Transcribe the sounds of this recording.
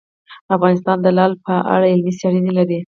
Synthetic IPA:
afɣɑnɪs̬t̪ɑnd̪əlɑlpəʔa̰ɽaɪlmisaɽinelaɾi

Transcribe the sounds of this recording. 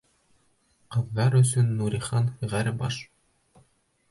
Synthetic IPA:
qɤ̆vːɑɾɵ̆sɵnːuɾʲiχɑnfɘ̆ʁæɾɘbɑ̰ʃ

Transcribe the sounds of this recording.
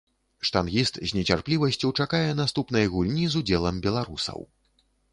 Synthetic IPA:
ʂt̪anɣʲist̪zʲnʲɛt͡sʲarplʲivɐsʲt͡sʲuwt͡ʂakajɛnast̪upn̪ɐjɣulʲnʲizud͡zʲɛlˠɐmbʲɛlˠaɾusɐ̰w

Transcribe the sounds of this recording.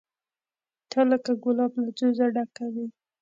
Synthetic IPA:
t̪ʰələkaɡʊlɑblad͡ʒozaɖakawi

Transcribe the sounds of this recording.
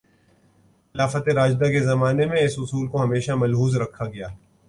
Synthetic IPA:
ɪlaːfət̪eɾaːd͡ʒd̪akezɐmaːnemẽɪsʊsuːlkoɦɐmeːʃamɐlɦuːzɾɐkʰːaɡɐjaː

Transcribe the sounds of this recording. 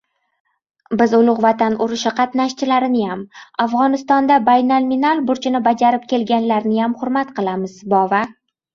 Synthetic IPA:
bɪzʊlˠʊqvat̪ʰanʊɾɪʃɪqʰɑt̪naʃt͡ʃʰɪlaɾɪnɪjamafʁɒnɪst̪ɒnd̪abajnalminalˠbʊɾt͡ʃʰɪnɪbad͡ʒaɾɪp̚kʲʰe̞lɡʲanlaɾnɪjamχʊɾmat̪qɨlˠamɪzbɒva

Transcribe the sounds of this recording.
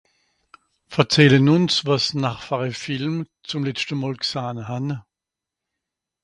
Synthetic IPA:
fɛɐt͡sɛlənʊnsvasnaχfaʁəfɪlm | t͡sʊmlɛt͡stənmaːlksaːnhan

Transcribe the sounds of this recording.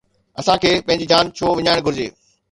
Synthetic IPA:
ɐsãkʰeːpɐ̃ɦɪ̃ɲd͡ʑid͡ʑaːnt͡ɕʰoːʋɪɲaːɪɽ̃ɡʱʊɾɪd͡ʑḛː

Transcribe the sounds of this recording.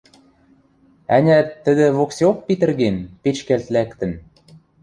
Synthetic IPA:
æ̰nʲæt̪ːə̆d̪ɘ̆βokseok̚pit̪ɘ̆rɣenpet͡ɕkælt̪lækt̪ɘ̆n

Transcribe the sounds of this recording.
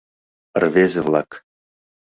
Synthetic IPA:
rvʲezʲɘ̆vlˠɑ̰k

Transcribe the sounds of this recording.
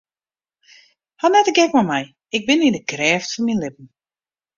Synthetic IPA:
hanɛtəɡɛkmɔmɛj | ɪk̚bɪnɪndəkrɛːftfɔnminlɪpən̩

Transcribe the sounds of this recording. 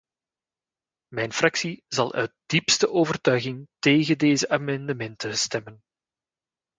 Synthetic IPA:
mɛjnfrɑksizɑlˠʔœ̰ɥt̚d̥ipstəʔoːvərtœɥɣɪŋteːɣəndeːzəʔaːmɛndəmɛntəstɛmən

